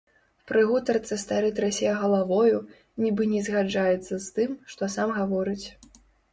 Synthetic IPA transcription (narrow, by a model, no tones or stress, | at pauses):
pɾɨɣut̪ɐrt̪sɐst̪aɾɛt̪ʲɾasʲejɐɣɐlˠavɔju | nʲibɨnʲɛzɣad͡ʐajɛt̪sːɐst̪ɨmʂt̪ɔsamɣavɔɾɨt͡sʲ